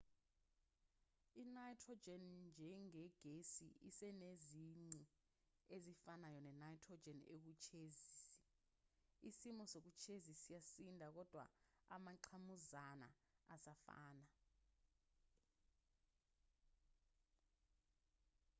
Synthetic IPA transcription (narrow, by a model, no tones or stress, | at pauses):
inajtʰrɔd͡ʒɛnnd͡ʒʱɛŋɛɡ̥ʱesḭisɛneziŋ͡ǀi | ezifanajɔnɛnajtʰrɔd͡ʒɛnḛk̬ut͡ʃʰeziːsi̥ | isimɔsok̬ut͡ʃʰezisijasindʱak̬ɔd̥ʱwa̰a̰maǀʰamuzana̰ | asafa̰ːna